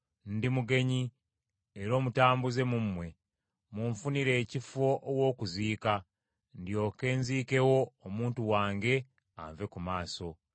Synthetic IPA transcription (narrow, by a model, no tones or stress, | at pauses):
ndimuɡe̞ɲi | eɾo̞ːmutaːmbuze̞mumwe̞ | muɱfuniɾe̞ːcifo̞ʔːwo̞ːkuziːka | ndjo̞ːke̞ːnziːke̞wo̞ːmuːntuwaːŋɡe̞ | a̰ɱve̞kumaːso̞